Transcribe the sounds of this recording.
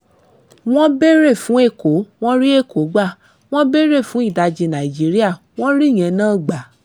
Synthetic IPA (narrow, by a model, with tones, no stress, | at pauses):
w̃ɔ̃˦be˦ɾe˦˨fũ˨˦e˦˨ko˨˦w̃ɔ̃˦ɾi˦e˦˨ko˨˦ɡ͡ba˦˨ | w̃ɔ̃˦be˦ɾe˦˨fũ˨˦i˦˨da˧d͡ʒi˧nã˨i˨d͡ʒi˨˦ɾi˦a˦˨ | w̃ɔ̃˦ɾi˦˨j̃ɛ̃˧nãː˦˨ɡ͡ba˨˦